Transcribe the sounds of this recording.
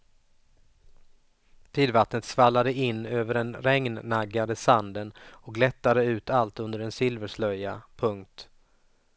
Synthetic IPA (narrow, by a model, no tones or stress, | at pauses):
t̪ʰiːd̪vat̪nət̪svalːad̪əɪnːøːvəɖɛnɾɛŋnːaɡːad̪əsand̪ənɔk̚ɡlɛt̪ːad̪əʉ̟ːt̪ʰalt̪ɵnd̪əɖɛnsɪlvəʂlœjːapʰɵŋk̚t̪